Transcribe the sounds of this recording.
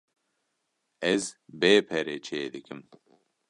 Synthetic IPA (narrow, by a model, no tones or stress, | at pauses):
ɛzbeːpʰɛɾet͡ʃʰeːd̪ɨkɨm